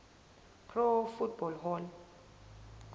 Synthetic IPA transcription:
pʰrɔfut̚bɔlɦɔl

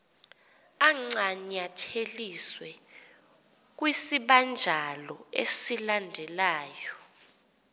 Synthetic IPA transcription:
aŋ͡ǀaɲatʰeliswɛ | k̬wisiɓand͡ʒʱalɔḛsilandʱɛlaːjɔ

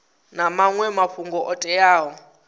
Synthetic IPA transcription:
namaŋwɛmaɸuŋɡɔʔɔtʼɛjaːɦɔ

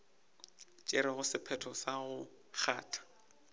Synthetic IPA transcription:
t͡ʃʼɪɾɪɣʊsɪpʰɛtʰɔsaɣʊ | k͡xʰa̰ːtʰḁ

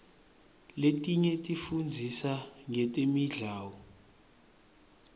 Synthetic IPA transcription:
letʼiɲɛtʼifund͡zʱisaŋɛtʼemiɮaːwɔ

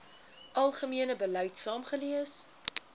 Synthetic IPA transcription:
ʔɐlˠχəmiənəbəlœɥtsɑːmχəliəs

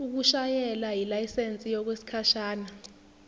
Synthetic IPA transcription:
uk̬uʃajɛlajilajisent͡sʼijɔk̬wesi̥kʰaʃaːna

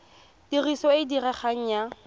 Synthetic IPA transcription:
d̥irisɔɪdirɛχaŋ̩ja

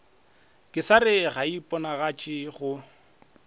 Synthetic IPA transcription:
kʼɪsarɪɣaipʼɔnaɣat͡ʃʼɪɣʊ

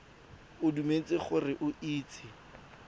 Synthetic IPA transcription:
ʊdumet͡sʼɪχʊrɪʔʊiːt͡sɪ

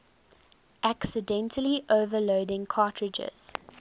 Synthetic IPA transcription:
ʔæksədɛ̃ntʰəliʔoʊvəloʊdɪ̃ŋkʰɑːˑtʰɹəd͡ʒə̰z̥

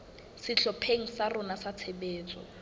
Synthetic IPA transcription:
sɪɬʰɔpʰeŋ̩sarʊnasat͡sʰebeːt͡sʼɔ̰

